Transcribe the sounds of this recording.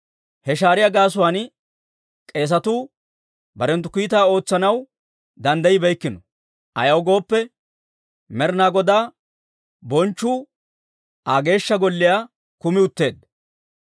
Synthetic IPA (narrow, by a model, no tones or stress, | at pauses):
hɛʃaːɾɪjaɡaːs̬ʊwaːn | kʼe̞ːs̬ɐt̪uː | bɐɾɛnt̪̬ːʊ̥kijːt̪aːo̞ːt͡sːɐnɐw | d̪ɐnd̪ɐjɪbɛjkːɪnɔ | ʔɐ̰jɐwɡo̞ːpːɛ | mɛɾnaːɡɔd̪aː | bɔnt͡ʃːuː | aːɡe̞ːʃːɐɡɔlːɪjaː | kʊmɪʊt̪ːe̞ːd̪